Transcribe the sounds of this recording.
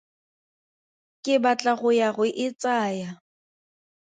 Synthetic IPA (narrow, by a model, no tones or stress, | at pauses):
kʼɪbat͡ɬʼaɣʊjaɣʊʔɪt͡sʼaːja